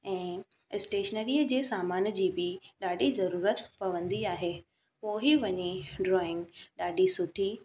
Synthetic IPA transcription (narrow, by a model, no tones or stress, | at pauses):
ɛ̃ː | ɪsʈeːʃənəɾiːəd͡ʑeːsaːmaːnd͡ʑiːbɪɗaːɖizɐɾuːɾət̪pɐʋə̃nd̪iaːɦeː | poːɦiʋɐɲiɖɾɔːɪ̃ŋɡɗaːɖisʊʈʰi